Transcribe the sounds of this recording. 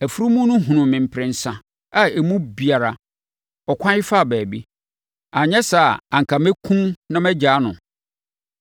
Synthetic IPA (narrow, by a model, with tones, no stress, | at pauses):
æ˨fu˦ɾu˦mũ˦nʊ̃˦ɦũ˨nʊ̃˨mɪ̃˨m̩˨pʰɾɪ̃˨n̩˨sã˦ | a˦e˨mũ˦bi˨a˨ɾa˨ | ɔ˨kʷʰã˦ɪ˦fa˦˨bæː˨bi˦ | a˨ɲɛ̃˦sa˨ã˨ŋ̩˨kʰa˨mɛ˦kʰũ˦nnã˦mɛ˦d͡ʑaː˨˦nʊ̃˨